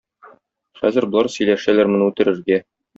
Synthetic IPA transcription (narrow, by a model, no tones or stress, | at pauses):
χæzɘ̆ɾbŏlˠɑɾsɵ̆jlæʃælæɾmɘ̆nɘʉt̪ɘ̆ɾɘ̆ɾɡæ